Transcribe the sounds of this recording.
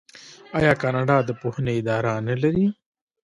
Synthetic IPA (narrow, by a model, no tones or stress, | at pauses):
ɑjɑːkɑːnaɖad̪əpohneɪd̪ɑːɾanɐlɐɾi